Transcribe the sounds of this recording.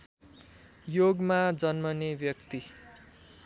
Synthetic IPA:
joɡmad͡zʌnmʌnebjʌkt̪i

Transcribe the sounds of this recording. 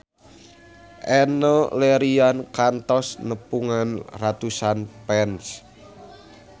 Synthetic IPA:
ʔɛnɔleɾiankant̪ɔsnəpuŋanrat̪usanpɛns

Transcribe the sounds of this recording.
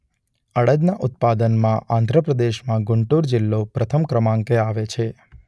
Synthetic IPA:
əɽəd̪naʔʊt̪̚pad̪ənmãʔãnd̪ʱɾəpɾəd̪eʃmãɡʊɳʈuɾd͡ʒɪlːopɾət̪ʰəmkɾəmãŋkeaʋet͡ʃʰe

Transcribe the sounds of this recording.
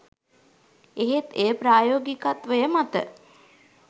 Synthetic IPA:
eɦet̪ejəpɾaːjoːɡikat̪ʋejəmat̪ə̰

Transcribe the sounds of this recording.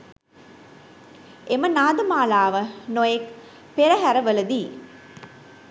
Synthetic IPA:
ʔemənaːd̪ɐmaːlaːʋənojek | peɾɐɦæɾɐʋəlɐd̪iː

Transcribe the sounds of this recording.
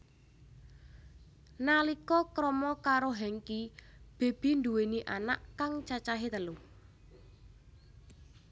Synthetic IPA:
nalikɔkɾɔmɔkaɾoɦɛŋkib̥e̤b̥i̤nd̪uweniʔanaʔkaŋt͡ʃat͡ʃaɦet̪əlu

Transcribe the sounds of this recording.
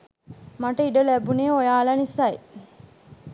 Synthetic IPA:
maʈəiɖəlæbuneːojaːlanisaj

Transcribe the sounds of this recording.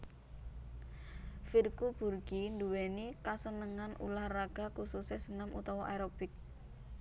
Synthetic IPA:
firkub̥ṳrɡ̥induwenikasənəŋanʔṵlahraɡ̥a̤kususesənamʔut̪ɔwɔʔajɾob̥ɪk̚

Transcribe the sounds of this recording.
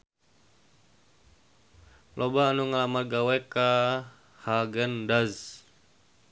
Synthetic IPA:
lʔɔbaːnuŋalamaɡawɛka | haɡəndaz

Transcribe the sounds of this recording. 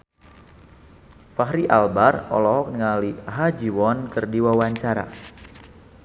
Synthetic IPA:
faɦɾiʔalbarɔ̰lɔɦɔk̚nəŋaliaɦad͡ʒiwɔnkərdiwawaɲt͡ʃaɾa̰

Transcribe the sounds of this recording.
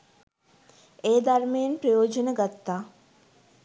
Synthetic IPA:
eːd̪armejenpɾəjoːd͡ʒonəɡat̪ːaː

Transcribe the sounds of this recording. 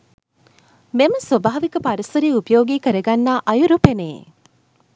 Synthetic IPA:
meməsʋɐbaːʋikəpaɾisɐɾiːupəjoːɡiːkəɾɐɡanːaːʔɐjuɾupeneː

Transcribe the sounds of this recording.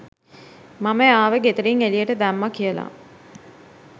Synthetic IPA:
maməaːʋəɡet̪əɾiŋelijəʈəd̪æmːakijəla̰

